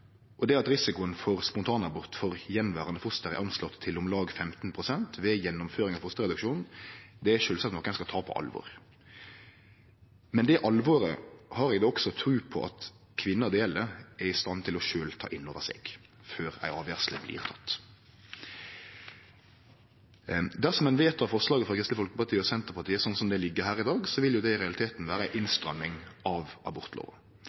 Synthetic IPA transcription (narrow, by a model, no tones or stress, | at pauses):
ʔɔd̪ɛɑt̪ɾɪsɪkʊənfɔʁspʊnt̪ʰɑːnɑbɔʁt̪fɔʁjɛnʋæːʁɑnəfʊst̪əɾɛ̰ɾʔɑnslɔt̪t̪ʰːɪlʊmlɑːɡfɛmt̪n̩pʰʁʊsɛnt̪ʰʋɛjɛnːʊmføːɾɪŋɑːʋfʊst̪əʁɛd̪ʉkʃuːnn̩d̪ɛæʃøːlsɑt̪nɔːkːænskɑt̪ʰɑːpʰɔ̰ʔɑ̰lʋo̰ːʁ | mɛnd̪ɛʔɑlʋoːɾə̰hɑːɾɛɡd̪oːɔksɔt̪ʰɾʉːpʰɔ̰ʔɑ̰t̪ | kʰʋɪnːəd̪eːləæɾɪst̪ɑnt̪ʰɪlɔʃøːlt̪ʰɑ̰ːʔɪnːoːʋəsḛːɡ̥ | føːɾæ̰ɪʔɑːʋjæʁsləblḭːʁt̪ʰɑt̪ː | d̪æʁsɔmɛnʋeːt̪ʰɑʋfɔʁslɑːɡəfʁɑkʰɾʁɪst̪əfɔlkəpɑʁt̪iːəɔsɛnt̪əʁpɑʁt̪ʰiːəsɔnsɔmd̪ɛlɪɡːəɦæːɾɪd̪ɑːɡsɔʋɪljʊd̪ɛɪɾɛɑlɪt̪ʰeːt̪n̩ʋæːɾəæɪʔɪnst̪ɾœmːɪŋɑʋɑ̰bɔɾt̪ʰlo̰ːʋə